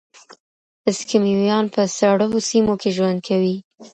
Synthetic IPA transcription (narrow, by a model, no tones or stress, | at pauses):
ɪskimiwjɑnpəsaɽəɦosimokʰeʒwand̪̚kʰawi